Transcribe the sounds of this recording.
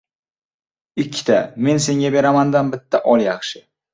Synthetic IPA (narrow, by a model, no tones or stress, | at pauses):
ɪkʲʰːɪ̥t̪ʰame̞nse̞ŋɡʲabe̞ɾamand̪anbɪt̪ʰːaʔɒlˠjɑχʃɪ